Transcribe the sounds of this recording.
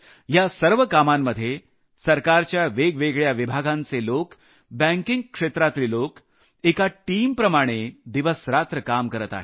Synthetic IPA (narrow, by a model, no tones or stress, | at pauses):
jasəɾʋəkamamːəd̪ʱːje | səɾkaɾt͡ɕjaʋeɡʋeɡɭjaʋibʱaɡãnt͡selok | bɛ̃ŋkiŋɡkʂet̪ɾat̪liːlok | ekaʈiːmpɾəmaɽ̃ed̪iʋəsɾat̪ɾəkamkəɾət̪a̰ɦe